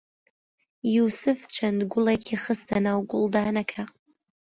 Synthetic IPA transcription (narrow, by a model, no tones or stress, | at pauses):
jusɨft͡ʃʷʰandɡʷʊlakʲʰiχəstʰanawɡʷʊldaːnakʰaqʼ